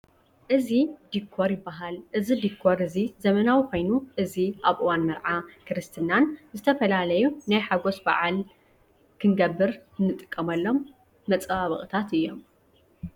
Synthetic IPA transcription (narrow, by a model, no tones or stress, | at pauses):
ʔɨzid̪ikʰːoɾjɪbːaɦalʔɨzid̪ikʰːoɾɨzizɐmɐnawikʷo̞jnuʔɨziʔaβʔɨwanmɐɾʕakʰɨɾɨst̪ʰɨnanzɨt̪ʰɐfɐlalɐjunajħaɡo̞sba̰ʕal | kʰɨnɡɐbːɨɾɨnːɨt̪ʼɨkʼːɐmɐlːo̞mː | ɐt͡sʼaβɐ̰χʼɨt̪ʰat̪ɨjːo̞m